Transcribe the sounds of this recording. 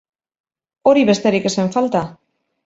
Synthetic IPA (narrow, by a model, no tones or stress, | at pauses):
o̞ɾiβe̞st̪e̞ɾike̞se̞ɱfalt̪a